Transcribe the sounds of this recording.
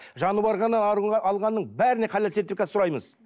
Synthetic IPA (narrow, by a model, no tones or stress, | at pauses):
ʒɑnəbɑɾʁɑnːɑnɑɑlˠʁɑnːəɴbæɾɪne̞qʰɑleset̪ːekʲæsʊɾɑjməz